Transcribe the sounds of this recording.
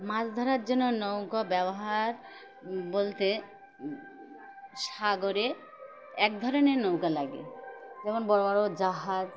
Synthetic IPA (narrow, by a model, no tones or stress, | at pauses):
mãd͡ʑd̪ʱɔɾaɾd͡ʑonːonowkabɛboɦaɾ | bolt̪e | ʃaɡoɾe | ɛk̚d̪ʱɔɾonenowkalaɡḛd͡ʑɛmonbɔɾbaɾod͡ʑaɦaz